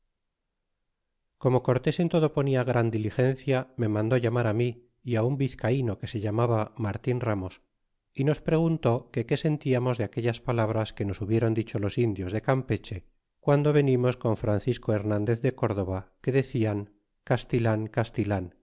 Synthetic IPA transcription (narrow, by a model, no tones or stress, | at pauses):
ko̞mo̞ko̞ɾt̪e̞se̞nt̪o̞ð̞o̞po̞niaɣɾand̪ilixe̞n̟θjame̞mãnd̪o̞ʝamaɾamiː | aumbiθkaino̞ke̞se̞ʎamaβamaɾt̪inramo̞s | ino̞spɾe̞ɣ̞unt̪o̞ke̞ke̞se̞nt̪iamo̞zðeake̞ʎaspalaβ̞ɾaske̞no̞suβje̞ɾo̞nd̪it͡ʃo̞lo̞sind̪jo̞zðe̞kampe̞t͡ʃe̞ | kwand̪o̞βe̞nimo̞sko̞ɱfɾanθisko̞e̞ɾnãnd̪e̞θðe̞ko̞ɾð̞o̞βake̞ðe̞θiaŋ | kast̪ilaŋkast̪ilaŋ